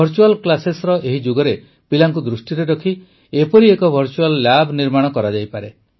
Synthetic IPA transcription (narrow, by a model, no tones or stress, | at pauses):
ɔɾt͡ʃualklasesɾɔʔeɦid͡ʒoɡɔɾe | pilaŋkud̪ɾusʈiɾeɾɔkʰi | epɔɾiekɔbʱɔɾt͡ʃuallabʱniɾmaɽ̃ɔkɔɾad͡ʒajpaɾe